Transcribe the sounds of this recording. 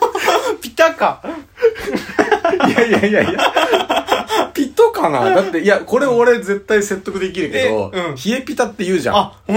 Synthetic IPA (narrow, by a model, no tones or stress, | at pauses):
pʲi̥t̪aka | jajajaja | pʲit̪okana̰d̪at̪ːe̞ijako̞ɾe̞oɾe̞d͡ze̞t̪ːaise̞t̪ːo̞kɯ̟d̪e̞k̬ʲiɾɯ̟ke̞d̪o̞̰ɯ̃çie̞pʲit̪at̪ːejɯ̟ːʑã̰